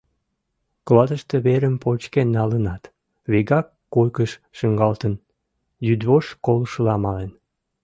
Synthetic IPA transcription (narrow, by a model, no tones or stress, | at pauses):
klɑd̪əʃt̪əβeɾəmpot͡ɕkenːɑlənɑt̪ | βeɣɑkːojkəʃ | ʃəŋɡɑlt̪ən | jyd̪βoʃkolʃəlɑmɑlen